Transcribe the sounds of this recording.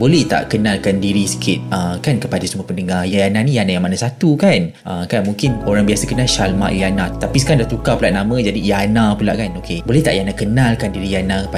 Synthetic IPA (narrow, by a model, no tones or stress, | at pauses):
bolɛht̪a̰ʔkənalkandiɾisə̥kʰɪt̪̚əkankəpadasəməpəndəŋarjajanãnijanajaŋmanasat̪ukanʔəkanmũŋkɪnoɾaŋbiasəkənaʃalma̰ʔijanãt̪apisə̥kandaht̪ukapulaʔnamə̃d͡ʒadijanãpula̰ʔkanokebolɛht̪a̰ʔjanakənalkandiɾijanãkəpa